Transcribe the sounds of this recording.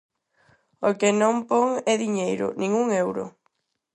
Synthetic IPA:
okɪnõmpoŋɛðiɲejɾʊ̰nĩŋuŋewɾʊ̰

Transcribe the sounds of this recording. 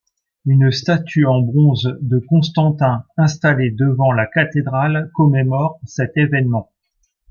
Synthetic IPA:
ynst̪at̪ʰyɑ̃bʁɔ̃zd̪əkɔ̃st̪ɑ̃t̪ɛ̃ɛ̃st̪aled̪əvɑ̃lakat̪ed̪ʁalkɔmemɔʁsɛt̪evɛnmɑ̃

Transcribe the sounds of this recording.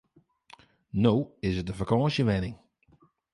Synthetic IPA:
noːɪzɪtəfəkʰɑ̃ːʃəʋɛnɪŋ

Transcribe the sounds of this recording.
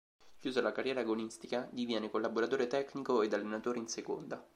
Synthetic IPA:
kjuːzalakarːjɛːɾaɡonist̪ikad̪ivjɛːnekolːaboɾat̪oːɾet̪ɛknikoed̪alːenat̪oːɾeinseko̰nd̪a

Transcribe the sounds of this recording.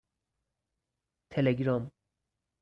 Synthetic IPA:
t̪ʰeleɡɾɔm

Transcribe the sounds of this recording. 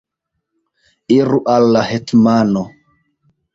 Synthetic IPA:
iɾuʔalːahetmano

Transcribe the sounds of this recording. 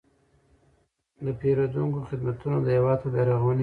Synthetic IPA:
d̪əpeɾod̪uŋkoxɪd̪mat̪unod̪əhewɑd̪̚pab̪aɾaɣwni

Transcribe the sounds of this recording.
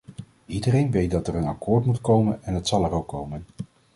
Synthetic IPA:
idərejnʋejt̚dɑtɛrənɑkʊːɹtmutkowmənɛnɦətsɑlˠɛrowkːowmən

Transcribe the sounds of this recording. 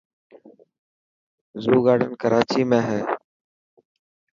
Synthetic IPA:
zuːɡaːɖənkəɾaːt͡ʃiːmẽːɦɛː

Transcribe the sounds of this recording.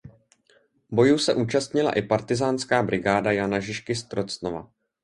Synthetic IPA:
bo̞juːsɛʔuːt͡ʃast̪ɲɪla̰ʔɪpaɾt̪ɪzaːnskaːbɾʔɪɡaːdajanaʒɪʃkɪst̪ɾot͡snova̰

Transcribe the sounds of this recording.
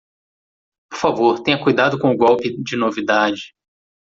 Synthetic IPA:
poɾfavoɾt̪ẽj̃ɐkujd̪ad̪ʊkõʊɡɔwpɪd͡ʒɪnovid̪ad͡ʒɪ

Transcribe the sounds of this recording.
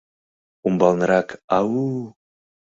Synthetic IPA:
umbɑlˠnɤɾɑkawu

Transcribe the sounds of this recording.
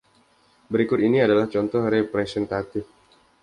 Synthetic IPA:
bəɾikʊt̪iniadalaht͡ʃɔnt̪ɔhɾɛpɾɛsɛnt̪at̪ɪf

